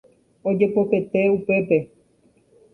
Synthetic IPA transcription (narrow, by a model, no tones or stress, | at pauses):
o̞d͡ʒe̞po̞ke̞t̪e̞upe̞pe̞